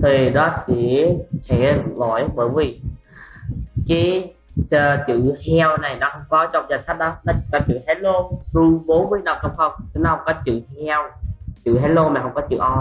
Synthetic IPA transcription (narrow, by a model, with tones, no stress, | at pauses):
t̪ʰi˨˩ɗɔ˨˦sḭ˧˥t͡ɕɛ˧˩lo̰˧˩˨jɓəː˧˩jvi˨˩ | kaː˨˦j | t͡ɕəː˧˩t͡ɕɨ̰˧˨hɛ˧wna˨˩jnɔ˨˦hə˧wŋ͡mkɔ˨˦t͡ɕɔ̰˧˨ŋ͡mzaː˨˩sa˦˥t̚ɗɔ˨˦nɔ˨˦t͡ɕi˧˦kaː˧˩t͡ɕɨ̰˧˨hɛ˨˦lo˧su˧ɓo˨˦nmɨ˧əjna˨˩wkə˧wŋ͡mxə˧˩wŋ͡mk̪nɔ˨˦hə˧ŋ͡mkɔ˨˦t͡ɕɨ̰˧˨hɛ˧wt͡ɕɨ̰˧˨ɦɛ˨˦lo˧maː˨˩hə˧ŋ͡mkɔ˨˦t͡ɕɨ̰˧˨ʔɔ˧